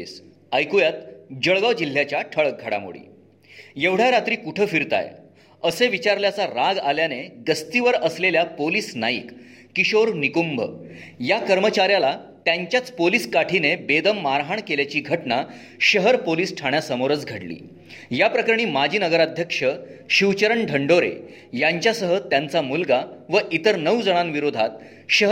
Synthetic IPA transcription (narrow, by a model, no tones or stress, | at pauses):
s | əjkujat̪d͡ʑəɭɡaʋd͡ʑil̤ːjat͡ɕjaʈʰəɭək̚ɡʱaɽa̰mo̰ɭḭː | jeʋɽ̤aɾat̪ɾiːkuʈʰəfiɾt̪a̰j | əseʋit͡ɕaɾljat͡saɾaɡaljaneɡəst̪iʋəɾəsleljapoliːsnajḭkː | iɕoɾnikumbʱə̰jakəɾmət͡ɕaɾjalat̪jaɲt͡ɕjat͡spoliːskaʈʰinebed̪əmːaɾɦaɳkeljat͡ɕiːɡʱəʈna | ɕəɦəɾpoliːsʈʰaɽ̃jasəmoɾət͡sɡʱəɽlḭː | japɾəkəɾɳ̃iːmad͡ʑʱiːnəɡəɾad̪ʱjəkʂəɕiwt͡ɕəɾəɳɖʱəɳɖoɾḛ | jaɲt͡ɕjasəɦət̪jant͡samulɡaʋəʔit̪əɾnəwd͡zəɽ̃ãnʋiɾod̪ʱat̪̚ | ɕəɦ